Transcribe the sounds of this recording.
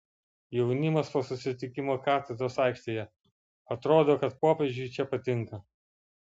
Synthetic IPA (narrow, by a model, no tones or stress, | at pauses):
jɛʊnʲɪmɐspoːsʊsʲɪt̪ʲɪkʲɪmoːkɑːt̪ʲɛd̪ɾoːsɑˑɪkʃʲt̪ʲeːjɛ | ɐt̪ɾoːd̪oːkɐt̪poːpʲɛʒʲd͡ʒʲʊɪt͡ʃʲɛpɐt̪ʲɪŋkɐ